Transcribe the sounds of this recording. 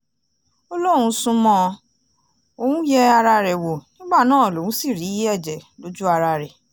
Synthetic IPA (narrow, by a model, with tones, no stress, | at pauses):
o˦lo˦w̃ũ˧sũ˧mɔ̃˧ | o˧wũ˦jɛ˦a˧ɾa˧ɾɛ˨wo˨nĩ˦ɡ͡ba˦˨nãː˦ɔ˨lo˨wũ˨˦si˦˨ɾi˨˦i˦ɛ˦˨d͡ʒɛ˨lo˨˦d͡ʒu˦a˧ɾa˧ɾɛ˨